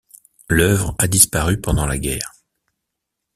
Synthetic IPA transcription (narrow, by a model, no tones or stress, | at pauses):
lœvʁad̪ispaʁypɑ̃d̪ɑ̃laɡʲɛ̰ːʁ